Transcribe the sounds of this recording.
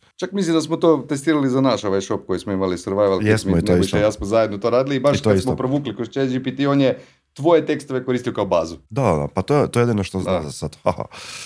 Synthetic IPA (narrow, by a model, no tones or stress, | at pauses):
t͡ʃakmislimd̪asmot̪oːt̪est̪iːɾalizanaʃo̞ʋajʃo̞p̚kojismoimalisəɾʋajʋaljesmioit̪noiʃajasmozajed̪not̪oɾaːd̪ilibaʃk̪t̪oasmopɾoʋuːklikost͡ʃed͡ʒipit̪ionje | t̪ʋo̞jet̪e̞kst̪oʋe̞koɾiːst̪ijokaobaːzud̪ad̪a̰pat̪ojt̪ojed̪inoʃt̪oznazasad̪haha̰